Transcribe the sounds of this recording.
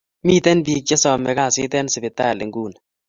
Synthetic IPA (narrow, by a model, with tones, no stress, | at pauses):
mi˦tɛ˦nbi˨k̚d͡ʒɛ˦sɔ˨mɛ̰˨ka˦˨sɪ˦tɛ˦nsɪ˨bɪ˨ta̰˦˨lɪ̰˨ŋɡu˦˨n